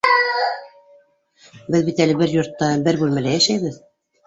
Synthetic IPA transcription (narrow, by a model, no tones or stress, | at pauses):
bɘðbit̪ælɘbɘɾjŭɾt̪ːɑbɘɾbʉlmælæjæʃæjβɘð